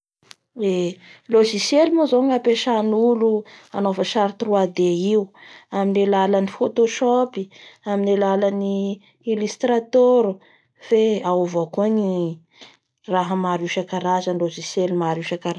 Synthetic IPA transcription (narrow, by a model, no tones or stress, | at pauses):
eloʒisjelimozoŋapeʃanuluanofəʃaɾit̪ruad̪eiuaminelalanifot̪oʃopiaminelalani | ilist̪ɾat̪oɾu | feaovakuani | raɦəmaɾuʃakaɾazənloʒisjelimaɾuʃakaɾa